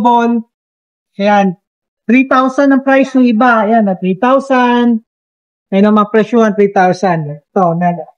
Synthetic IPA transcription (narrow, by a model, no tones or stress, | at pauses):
bon | ɐjan | t̪ɾit̪awsɐnːɐŋpɾajsnʊŋɪbajanːɐt̪ɾit̪awsan̚ | mɐjnoŋmɐŋapɾɛʃʊɐnt̪ɾit̪awsand̪t̪onɐ